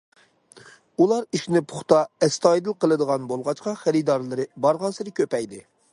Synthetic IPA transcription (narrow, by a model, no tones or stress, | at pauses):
ulˠɑɾiʃnɪpʰʊ̥χt̪ɑɛst̪ɑjd̪ɨlˠqəlˠɨd̪əʁɑnbolˠʁɑt͡ʃqɑχæɾɨd̪ɑɾlˠɨɾɨbɑɾʁɑnsɨɾɨkʲʰøpɛjd̪ɪ